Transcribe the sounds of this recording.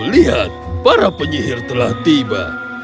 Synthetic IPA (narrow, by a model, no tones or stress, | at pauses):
liɦat̪̚paɾapəɲiɦɪrt̪əlaht̪iba̰